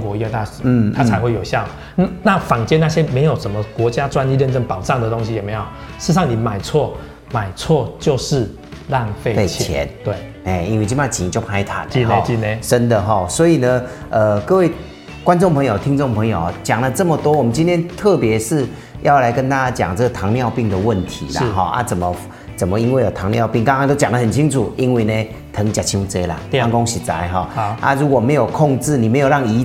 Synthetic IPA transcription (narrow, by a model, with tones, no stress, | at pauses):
ŋkwɔ˧˦i˧˥kə˧t̪a˥˩ʂn̩˥˩a˥a˧˦ɪxwe˥˩ɪjo˨˩ʊɕjɑ˥˨ʊ | na˥˨na˥˨fa˨˩ŋt͡ɕjɛ˥na˥˧ɕjɛ˦˥me˧˥ɪjo˨˩ʊʂə˨˦nmə˨kwɔ˧˥t͡ɕja˦ʈ͡ʂwa˥˦ni˥˧ɻə˥˧nʈ͡ʂə˥˩npɑ˨˩ʊʈ͡ʂɑ˥˩ŋd̪ə˩t̪o˥ŋɕ̬i˨jɛ˨˩me˨˦ɪjo˨˩ʊ | ʂɻ̩˥˧ʂɑ˥˨ŋni˨˩ma˨˩ɪt͡sʰwɔ˥˩ | ma˨˩ɪt͡sʰwɔ˥˧t͡ɕjo˥˧ʊʂɻ̩˥˧ | la˥˧ŋfe˥˧e˥˩t͡ɕʰjɛ̰˧˦nt̪we˥˩ɪ | e˥˩i˥nwt͡ɕi˥˩ma˥˩t͡ɕi˨˩ni˨˩t͡ɕjo˥˩ʊpʰa˧˥ɪt̪ʰa̰˨˩ni˧ne˧˦˧t͡ɕi˥˩ne˧ʂə˦˥nd̪ə˨ɦɔ˥˩swɔ˧˥i˨˩nə˦ | ə˨kɤ˥˧we˥˩ɪ | kwa˥nʈ͡ʂŋpʰɤ˧˥ŋjo˨˩ʊt̪ʰi˦˥ŋt͡so˥˩ŋpʰə˧˥ŋjo˨˩˦t͡ɕja˨˩ŋlə˦t͡sə˥˩mə˨t̪wɔ˥wɔ˨˩mə˦nt͡ɕi˦nt̪ʰjɛ˥nt̪ʰɤ˥˩pjɛ˧˦ʂɻ̩˥˧ | jɑ˥˩ʊla˧˥ɪkə˧˦nt̪a˥t͡ɕa˥t͡ɕja̰˨˩ŋt͡sə˥˩ɡə˨˩t̪ʰɑ˧˥ŋljɑ˥˧ʊpi˥˩ŋd̪ə˨wə˥˩nt̪ʰḭ˨˦la˦˥˨ɦɔ˥˩ʔa̰˦t͡sə˨˩nmə˦ | t͡sə˨˩nmə˦i˥nwe˥˩ɪlə˨˩t̪ʰɑ˧˥ŋljɑ˥˧ʊpi˥˩ŋk̪ã˥˦ŋkʰŋt̪jo˥˧t͡ɕja˨˩ŋdə˦˩hə˨˩nt͡ɕʰi˥ŋʈ͡ʂʰu˨˩i˦nwe˥˩ɪne˨ | t̪ʰə˧˥ŋt͡ɕja˨˩t͡ɕʰi˧˥nu˧˥˩t͡se˥ɪla̰˨a˥˨ŋko˥ŋɕi˨˥t͡sa̰˧˥ɪɦɔ˥˩ʔa̰˥˦ɻu˧˦˥kwɔ˨˩me˧˥ɪjo˨˩ʊkʰɔ˥˧ŋt͡sɻ̩˥˩ni˨˩me˧˥jo˨˩ɑ˥˩ŋi˧˥